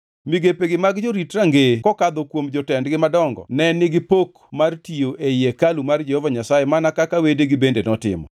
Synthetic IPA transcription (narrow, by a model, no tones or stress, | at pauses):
miɡepeɡɪmaɡd͡ʒoɾitraŋɡekɔkad̪okwomd͡ʒɔtɛndɡɪmadɔŋɡɔ̰nɛnɪɡɪpok | martioʔejekalumard͡ʒɛhɔvaɲasajemanakakawedeɡɪbendenɔtɪ̰mɔ̰